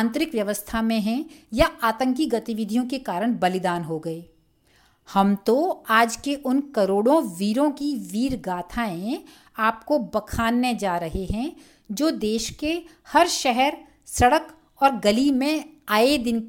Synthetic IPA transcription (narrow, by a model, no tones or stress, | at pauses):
nt̪ɾɪkʋjɐʋəst̪ʰamẽɦɛ̃jaaːt̪ə̃ŋkiɡɐt̪ɪʋɪd̪ʱijõkekaːɾəɽ̃bɐlɪd̪aːnɦoɡɐeː | hɐmt̪oaːd͡ʒkeʔʊnkɐɾoːɽõʋiːɾõkiʋiːɾɡaːt̪ʰaːẽ | aːp̚kobɐkʰaːnːed͡ʒaːɾɐɦeɦɛ̃ | d͡ʒoːd̪eːʃke | hɐɾʃɛɦɛɾ | sɐɽək | ɔːɾɡɐlimẽaːed̪ɪn